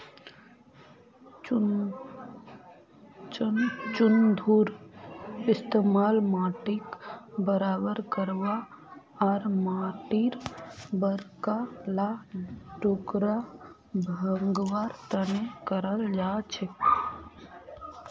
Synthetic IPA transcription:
t͡ʃʊnd̪ʱuːɾ | ɪst̪eːmaːlmaːʈɪkbəɾaːbəɾkəɾʋa | ɔɾmaːʈɪɾbəɾkalaʈoːkɾa | bʱəŋɡʋaːɾt̪ənekəɾəld͡ʒaːt͡ʃʰe

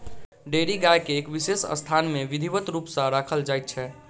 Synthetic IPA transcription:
ɖeɾiɡajkeːkʋisesə̰st̪ʰanmẽʋid̪ʱiʋət̪ɾuːpsə̃ɾakʰəld͡ʒajt̪̚t͡ʃʰɛ

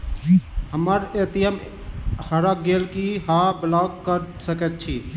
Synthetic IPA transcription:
ɦəməɾet̪iəm | həɾəɡelkiɦãblaɡkəɾsəkɛt̪̚t͡ʃʰi

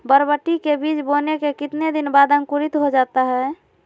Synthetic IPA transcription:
bəɾbəʈːikebiːt͡ʃbonekekɪt̪ned̪ɪnbad̪ə̃ŋkuɾɪt̪ɦod͡ʒaːt̪aɦɛ

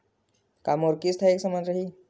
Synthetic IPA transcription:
kamoɾkiːst̪ʰaeksəmand͡zɾaɦi

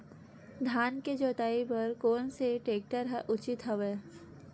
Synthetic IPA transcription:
d̪ʱaːnked͡ʒoːt̪aːipəɾkoːnseʈeːk̚ʈəɾɦɛʔʊt͡ʃɪt̪ɦəʋeː

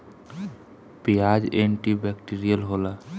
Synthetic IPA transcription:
piad͡ʒeɳʈibɛkʈiɾijəlɦola

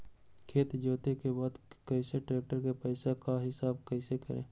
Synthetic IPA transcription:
kʰeːt̪d͡ʒoːt̪ekebaːd̪kəɪseʈɾeːk̚ʈəɾkepəːɪsakaɦɪsaːbkəɪsekə̰ɾḛ̃ː

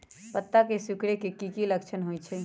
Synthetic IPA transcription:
pət̪ːakesukɽekekikiləkt͡ʃʰənɦojt͡ʃʰɛ

